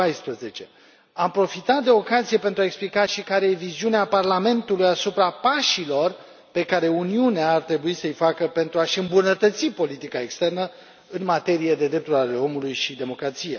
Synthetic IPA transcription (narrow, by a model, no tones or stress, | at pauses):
ajspɾəze̞t͡ʃe̞ | ampɾo̞fit̪at̪̚d̪e̞o̞kazije̞pe̞nt̪ɾuaeksplikaʃikaɾejeviziuneaparlame̞nt̪ulujasupɾapaʃilo̞r | pe̞kaɾe̞uniuneaːrt̪ɾe̞buisəɨjfakəpe̞nt̪ɾuaʃɨmbunət̪ət̪sipo̞lit̪ikae̞kst̪e̞rnə | ɨnmat̪e̞ɾije̞d̪e̞d̪ɾe̞p̚t̪uɾale̞o̞mulujʃid̪e̞mo̞kɾat̪sije